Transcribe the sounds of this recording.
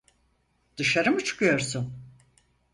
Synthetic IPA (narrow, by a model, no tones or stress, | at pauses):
d̪̥ɯʃaɾɯmɯt͡ʃʰɯ̥kʰɯjo̞ɾsun